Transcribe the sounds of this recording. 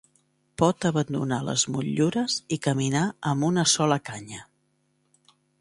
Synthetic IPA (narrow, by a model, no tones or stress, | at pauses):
pɔt̪əβənd̪unalə̰zmuʎuɾəzikəminaəmbunəsɔləkaɲə